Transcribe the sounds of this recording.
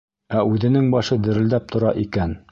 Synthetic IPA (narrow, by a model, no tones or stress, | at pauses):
æʔʉðɘ̆nɘŋbɑʃɤd̪ɘ̆ɾɘ̆ld̪æp̚t̪ʰŏɾɑʔikæn